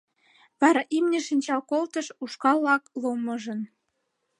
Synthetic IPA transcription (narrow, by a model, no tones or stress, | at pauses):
βɑɾɑʔimnʲĕʃinʲt͡ɕɑlkolt̪əʃuʃkɑlːɑklomɤʒə̆n